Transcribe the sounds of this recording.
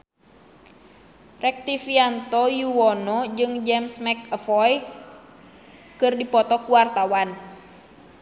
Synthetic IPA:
rɛk̚t̪ifiant̪ɔjuwɔnɔd͡ʒɨŋd͡ʒɛmsmɛkəfɔj | kɨrdipɔt̪ɔkuwart̪awan

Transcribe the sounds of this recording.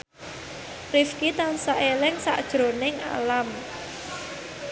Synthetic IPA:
rifkit̪ansaʔelɪŋsa̰ʔd̥ʒ̥ɾo̤nɪŋa̰lam

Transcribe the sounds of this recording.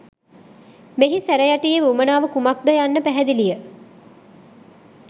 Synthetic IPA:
meɦisæɾɛjaʈijeʋumənaːʋəkumak̚d̪ajanːəpæɦɛd̪ilijə

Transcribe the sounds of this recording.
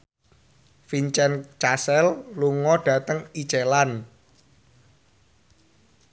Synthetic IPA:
fiɲt͡ʃɛnt͡ʃasɛlluŋɔɖ̥ä̤t̪əŋit͡ʃelan

